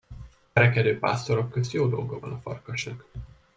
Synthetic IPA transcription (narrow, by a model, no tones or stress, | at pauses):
ɛɾɛkɛd̪øːpa̰ːst̪o̞ɾo̞kːøzt̪joːd̪o̞lɡovɒ̰nɒfɒ̰rkɒʃnɒk